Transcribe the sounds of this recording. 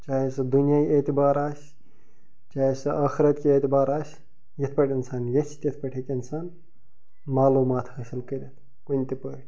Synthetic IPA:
t͡ʃaːɦesɐd̪unjaːkʲet̪ibaːɾaːsʲ | t͡ʃaːesɐɐːxiɾɐt̪kiet̪ibaːɾaːsʲ | jɐt̪ʰpɐʈʰʲinsaːnjet͡ʃʰt̪jet̪ʰpɐʈʰekinsaːn | maːluːmaːt̪ʰhɐsilkəɾʲet̪ʰ | kunʲt̪ipəʈʰʲ

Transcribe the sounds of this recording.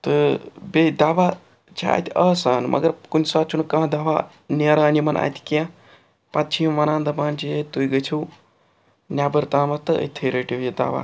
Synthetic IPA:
t̪ɨbeːd̪aːʋaː | t͡ʃʰa̰a̰ːt̪ʲiʔɐːsaːnmʔɐ̰ɡɐɾkunʲsaːt͡ʃʰunkãːd̪aːʋaː | neɾaːnimɐnʔa̰t̪ʰʲi̥kiã | pɐt̪̚t͡ʃʰimʋɐnaːnd̪ɐmaːnt͡ʃijet̪ujɡɐt͡ʃʰiw | nʲaːbɐɾt̪aːmɐt̪ɨə̰t̪ʰeɾeʈiʋjid̪a̰ːʋa̰ː

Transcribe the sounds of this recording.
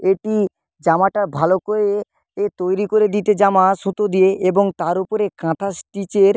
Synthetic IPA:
eʈi | d͡ʑamaʈabʱalokoɾe | et̪ojɾikoɾed̪it̪ed͡ʑamaʃũt̪od̪ijeʔeboŋt̪aɾupoɾekãt̪ʰasʈit͡ɕeɾ

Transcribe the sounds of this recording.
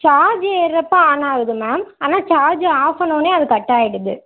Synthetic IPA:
t͡ʃaːɾd͡ʒɯɛɾɐpːaaːnaːɣɯðɯmaːmaːnaːt͡ʃaːd͡ʒɯaːsɐnoːneːɐðɯkɐʈːaːjɪɽɯðɯ̰

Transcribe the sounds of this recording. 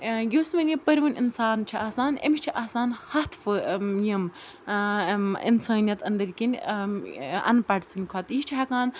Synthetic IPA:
joːsmɐnʲjipɐɾʲiʋɐnʲinsaːnt͡ʃʰiaːsaːnḛmit͡ʃʰiʔaːsaːnhɐt̪ʰfɨjim | ḭnsaːnijɐt̪ɐnd̪ɐɾkinʲ | ɐ̰npɐʈʲsɨnʲkʰɐt̪it͡ʃʰiɦɐkaːn

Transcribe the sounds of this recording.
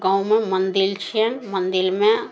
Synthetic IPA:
ɡãũmẽmə̃nd̪ɪlt͡ʃʰeənmə̃nd̪ɪlmẽ

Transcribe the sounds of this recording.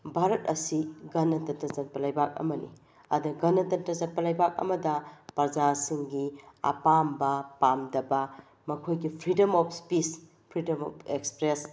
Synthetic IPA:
bʱaɾɐt̚ɐsiɡɐnɐtɐtɐzɐt̚pɐlɐjbak̚ɐ̰mɐnḭ | ɐ̰dɐɡɐnɐtɐntɐzɐt̚pɐlɐjbak̚ɐ̰mɐdɐpɐɾd͡ʒasiŋɡiɐ̰pambɐpamdɐbɐ | mɐkʰojɡipʰɾidɐmɔp̚ʰspis | pʰɾidɐmɔ̰pʰekspɾes

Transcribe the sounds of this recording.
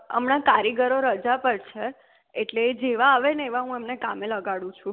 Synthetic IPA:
ə̰mnakaɾiɡəɾoɾəd͡ʒapəɾt͡ʃʰeː | ʈleːd͡ʒeʋaːʋeneeʋaɦũemnekameləɡaɽũt͡ʃʰũ

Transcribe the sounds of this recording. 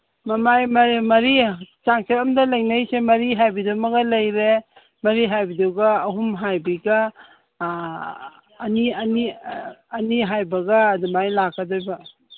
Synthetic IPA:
mɐmajmɐɾmɐɾit͡ʃaŋseɾɐmdɐlɐjnɐjsemɐɾiɦajbidumɐɡɐlɐjɾe | mɐɾiɦajbiduwɡɐːɦumɦajbiɡɐ | niɐniɐniɦajbɐɡɐːdumajlakʰːɐdojbɐ

